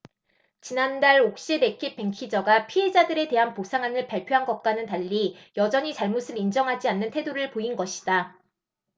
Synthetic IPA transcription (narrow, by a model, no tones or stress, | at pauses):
t͡ɕinandaɭok̚ɕ͈iɾe̞kʰip͈e̞ŋkʰid͡ʑʌɡapʰiɦe̞d͡ʑadɯɾe̞te̞ɦanposʰaŋɦanɯɭpaɭpʰjoɦanɡʌk̚k͈wanɯntaʎːijʌd͡ʑʌɲit͡ɕaɭmusʰɯɾind͡ʑʌŋɦad͡ʑianːɯntʰe̞doɾɯɭpoinɡʌɕʰi̥d̥a